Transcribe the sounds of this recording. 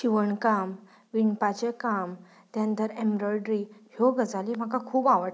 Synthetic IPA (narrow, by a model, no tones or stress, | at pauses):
ɕiʋəɳkam | ʋiɳpat͡ɕekam | t̪jãnt̪əɾemɾɔjɖɾihoɡəd͡zalim̤akakʰuːbaʋəʈ